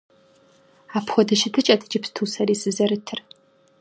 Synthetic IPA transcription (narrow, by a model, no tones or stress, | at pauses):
aːpxʷɔdɐʃɪtʰɨt͡ʃʼɐtʰɨ̥t͡ʃɪpstʰuːsɐɾiːsɨzɐɾɨtʰɨr